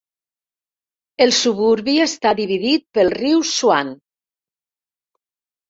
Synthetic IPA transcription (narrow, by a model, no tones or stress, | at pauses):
elˠsuβuɾβiest̪aðiβiðit̪̚pəlˠriwswan